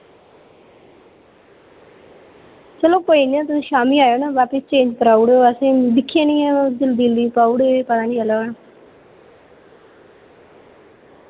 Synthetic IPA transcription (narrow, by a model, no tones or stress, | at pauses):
t͡ʃəlõːkoːiniãːt̪̬ʊsĩːʃaːmiːaːjoːnaːʋaːpɪst͡ʃẽːɲd͡ʒkəɾaːuɽoəsĩːd̪ɪkʰːjãːnĩːãd̪ɪld̪iːliːpaːuɽepət̪ãːd͡ʒiəloːna